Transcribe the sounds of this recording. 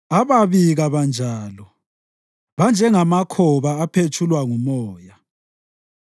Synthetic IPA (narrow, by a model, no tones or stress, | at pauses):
aβaβiɣaβand͡ʒʱaːlɔ | βand͡ʒʱɛŋamakʰɔβaːpʰet͡ʃʰulwaŋumɔːja